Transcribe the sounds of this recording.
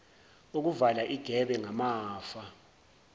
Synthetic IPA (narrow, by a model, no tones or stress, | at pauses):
uk̬uvalaʔiɡ̥ʱɛɓɛŋamaːfa